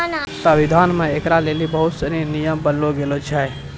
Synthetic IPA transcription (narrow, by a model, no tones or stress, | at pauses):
səʋɪd̪ʱaːnmẽekɾaleːlibəɦʊt̪səɾinijəmbənloɡeːlot͡ʃʰɛ